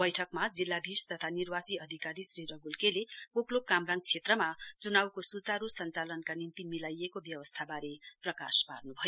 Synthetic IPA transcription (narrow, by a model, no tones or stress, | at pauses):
bʌjʈʰʌkmad͡zilːab̪ʱist̪ʌt̪ʰanirbat͡siʌd̪ʱikaɾisriɾʌɡulkelekoklokamraŋ̚t͡sʰet̪rʌmat͡sunawkosut͡saɾusʌnt͡salʌnkanimt̪imilajekobjʌwʌst̪ʰabaɾeprʌka̰spa̰rnubʱʌjo